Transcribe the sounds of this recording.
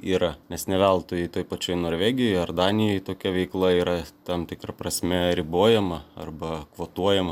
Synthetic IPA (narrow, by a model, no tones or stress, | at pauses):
iːɾɐnʲɛsnʲɛʋʲɛlˠt̪oːjɛɪt̪oːjpɐt͡ʃʲoːjnoːɾʲʋʲæːɡʲɪjojɐrd̪ɑːnʲɪjoːjt̪oːkʲɛʋʲɛɪklˠɐiːɾɐt̪ɐmt̪ʲɪkɾɐpɾɐsʲmʲɛɾʲɪboːjɛmɐɐ̰rbɐkʋoːt̪uɔjɛmɐ